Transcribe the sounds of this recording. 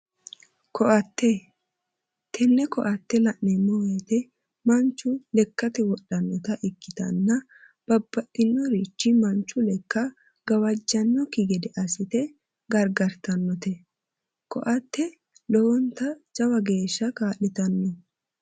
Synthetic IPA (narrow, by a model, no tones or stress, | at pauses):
kʰɔʔɐt̪ːɛ | t̪ʰɛnːɛkɔʔɐt̪ːɛlɐʔnɛmːɔwɐt̪ɛ | mɐnt͡ʃːʊlɛkːɐt̪ɛwɔɗɐnːɔt̪ɐʔɪkːɪt̪ɐ̰nːɐ | b̥ɐb̥ːɐʔɪnːɔɾiːt͡ʃːɪmɐnt͡ʃːʊlɛkːɐ | ɡ̥ɐwɐd͡ʒːɐnːɔkɪɡɛd̪ɛʔɐsɪt̪ɛ | ɡɐɾɡɐɾt̪ɐnːɔt̪ɛ | kɔ̰ʔɐt̪ːɛ | lɔwɔnt̪ɐd͡ʒɐwɐɡe̞ːʃːɐkaːlːɪt̪ɐnːɔ